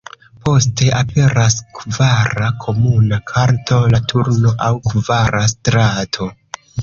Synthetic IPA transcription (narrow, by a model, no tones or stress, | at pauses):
po̞ste̞ʔape̞ɾaskvaɾakʰo̞munakʰaɾto̞latʰuɾno̞ʔawkvaɾastɾatʰo̞